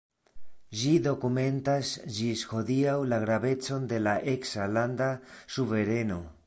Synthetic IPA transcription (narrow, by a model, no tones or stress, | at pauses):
ʒido̞kume̞ntasd͡ʒisho̞diawlaɡɾaβe̞t͡so̞nd̪e̞laʔeksaland̪asuve̞ɾe̞no̞